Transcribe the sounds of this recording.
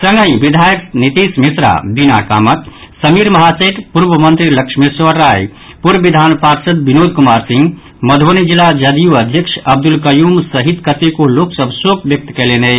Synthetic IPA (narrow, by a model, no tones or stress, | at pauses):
sə̃ŋɡəĩbid̪ʱaːjəknit̪iːsmisɾa̰bina̰ka̰ːmət̪ | sɐmiːɾmɐɦaseʈ̪puɾbəmənt̪ɾilɐkʃʰmisʋəɾːaːj | puɾʋid̪ʱaːnpaːɾsɐt̪̚binoːd̪ʱkumaːɾsĩŋɡ | mɐd̪ʱonid͡ʒilad͡ʒɐd̪ijuɐd̪ʱjəkʂɐb̚d̪ulkɐjuːmsɐɦit̪kət̪ekoloːksəbʱsokʋjɐk̚t̪kɛlenej